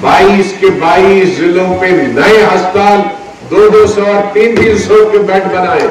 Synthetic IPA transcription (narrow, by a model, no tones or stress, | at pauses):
baːiːskebaːiːszɪlõpeɾnɐẽɦɐst̪aːl | d̪oːd̪oːsɔɔɾt̪iːnʋiːnsɔkebɛ̃ːʈbɐnaːeː